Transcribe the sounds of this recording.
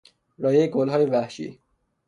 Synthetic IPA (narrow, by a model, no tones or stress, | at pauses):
ɾɒːjeɡolɦɒːjeʋæhʃḭː